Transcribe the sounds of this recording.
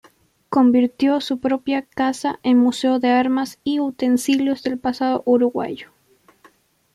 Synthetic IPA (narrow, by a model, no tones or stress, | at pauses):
ko̞mbiɾt̪jo̞supɾo̞pjakasaʔenmuse̞oðeaɾmasiut̪e̞nsiljo̞zðe̞lpasað̞o̞̰ʔuɾuɣwa̰ʝo̥